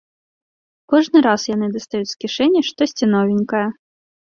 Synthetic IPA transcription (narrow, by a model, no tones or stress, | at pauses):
kɔʐnɨɾasjanɨd̪ɐst̪ajut͡sʲskʲiʂɛnʲːiʂt̪ɔsʲt͡sʲinɔvʲɪnʲkɐjɐ